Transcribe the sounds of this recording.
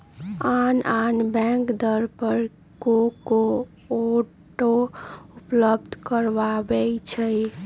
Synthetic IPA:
ananbɛ̃ŋkd̪əɾpəɾ | ɡoko | o | ʈoupləbd̪ʱkəɾbabɛt͡ʃʰɛ

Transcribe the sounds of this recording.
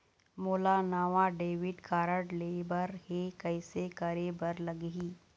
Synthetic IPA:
moːlanaːʋaɖeːʋɪɖkaːɾəʈlebəɾhekɐɪsekəɾebɐɾlɐɡiː

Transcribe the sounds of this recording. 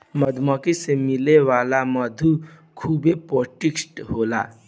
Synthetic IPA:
məd̪ʱmɔkisemɪleʋaːlaməd̪ʱu | kʰuːbepoːʈiksʈɦoːla̰ː

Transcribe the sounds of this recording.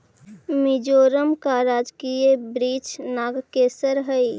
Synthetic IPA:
mid͡ʒoːɾəmkaɾaːd͡ʒkiebɾiːt͡ʃnaːɡkeːsəɾɦəi

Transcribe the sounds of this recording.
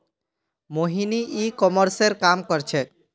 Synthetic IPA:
moɦiniʔikɔmɔɾseɾkamkɔɾt͡ʃʰe

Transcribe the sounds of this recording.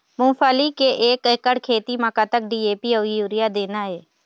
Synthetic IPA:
mʊ̃ːfʰaːlikeʔeːkekːəɽkʰeːt̪imakat̪ək̚ɖiːeːpioijuːɾɪjad̪eːnaːɦeː

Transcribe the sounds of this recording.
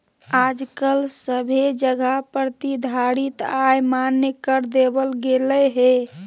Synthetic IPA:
ad͡ʒkəlsəbʱed͡ʒəɡʱapəɾt̪id̪ʱaɽit̪ajmanjəkəɾd̪ebəlɡeləɦe

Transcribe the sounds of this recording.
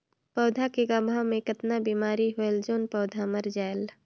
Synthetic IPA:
pɔːd̪ʱakeɡaːbʱamẽkət̪nabiːmaːɾiɦoeld͡ʒoːnpɔːd̪ʱaməɾd͡ʒaːel

